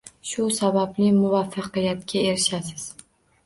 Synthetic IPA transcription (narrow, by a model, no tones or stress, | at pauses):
ʃʊsabablɪmʊvafːɑqɨjat̪kʲʰae̞ɾɪʃasɪz̥